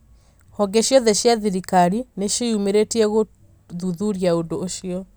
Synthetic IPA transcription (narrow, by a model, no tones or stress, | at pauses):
hɔɡeɕjɔðeɕjaðiɾikaɾineʃiumeɾetiɛɣo | ðuðuɾjaondoːɕiɔ